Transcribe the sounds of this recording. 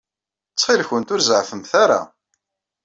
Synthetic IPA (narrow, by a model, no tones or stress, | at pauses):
t͡sːχilçənt̪ʊɾzʕfəmθaɾa̰